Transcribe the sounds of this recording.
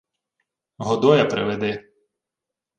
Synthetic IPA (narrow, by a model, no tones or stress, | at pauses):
ɦɔd̪ɔjɐpɾɪ̰ʋed̪ɪ